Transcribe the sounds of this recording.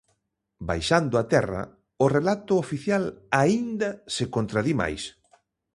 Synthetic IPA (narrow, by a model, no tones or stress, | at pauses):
ba̰jʃand̪ʊat̪ɛra̰ | ʊrelat̪ʊofiθjalaind̪ɐsekont̪ɾaðima̰js